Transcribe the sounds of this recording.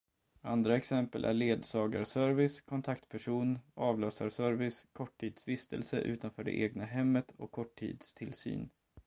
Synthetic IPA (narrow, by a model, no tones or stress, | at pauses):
a̰nd̪ɾaɛksɛmpəlʔæ̰ɭeːd̪sɑːɡaɾsœɾvɪskʰɔnt̪ʰakt̪pʰæʂuːnʔɑːvløːsa̰ɾʂœɾvɪskʰɔʈʰːiːd̪svɪst̪ʰə̰lsə̰ʔʉ̟ːt̪anfœːɖɛ̰ʔeːɡnaɦɛmːət̪ɔkʰːɔʈʰːḭːd̪st̪ʰɪlsy̰ːn